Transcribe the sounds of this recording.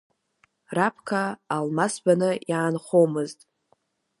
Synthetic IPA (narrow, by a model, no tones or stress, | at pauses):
rapʰkʰaːlmasbanɨjaːnχomɨztʼ